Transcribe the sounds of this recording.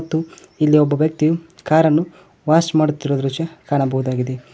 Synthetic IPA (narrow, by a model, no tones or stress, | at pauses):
t̪ːu | ilːiɔbːɐʋjɐk̚t̪ijukaːɾɐnːu | ʋaːsmaːɽut̪ːiɾod̪ɾut͡ʃɐkaːɳɐbɐɦud̪aːɡid̪e̞